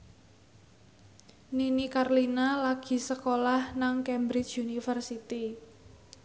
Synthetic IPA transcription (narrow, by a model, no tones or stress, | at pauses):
ninikarlinalaɡ̥i̤səkolahnaŋkɛmbɾɪt͡ʃunifərsit̪i